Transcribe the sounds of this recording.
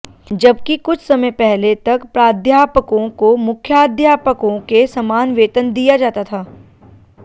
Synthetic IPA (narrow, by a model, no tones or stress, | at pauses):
d͡ʒɐbkikʊt͡ʃʰsɐməjpɛɦlet̪ɐkpɾaːd̪ʱjaːpəkõkomʊkʰːjaːd̪ʱjaːpəkõkesɐmaːnʋeːt̪ənd̪ijad͡ʒaːt̪at̪ʰaː